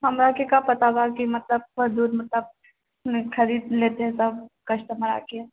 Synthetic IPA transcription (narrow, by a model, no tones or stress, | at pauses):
ɦɐmɾaːkekapɐt̪abaːɾkimɐt̪ləb̚bɐd̪uːd̪mɐt̪ləb̚ | kʰɐɾiːd̪leːt̪eɦɛ̃sɐb̚kɐʃʈ̪əmɐɾa̰ːke